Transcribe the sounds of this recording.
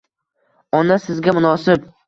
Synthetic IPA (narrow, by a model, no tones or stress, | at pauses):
ɒnasɪzɡʲamʊnɒsɪp